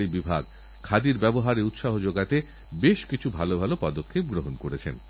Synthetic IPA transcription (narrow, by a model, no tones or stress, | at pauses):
ibibʱa̰ɡ̚ | kʰad̪iɾbɛboɦaɾeut̪ʃaɦod͡ʑoɡat̪e | beʃkit͡ɕʰubʱalobʱalopɔd̪okʰːep̚ɡɾoɦonkoɾet͡ɕʰen